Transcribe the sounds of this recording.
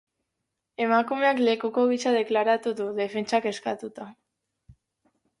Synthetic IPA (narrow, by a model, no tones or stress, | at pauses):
e̞makume̞akle̞kuko̞ɣit͡ʃaðe̞klaɾat̪uðuðe̞fe̞nt͡ʃake̞skat̪ut̪a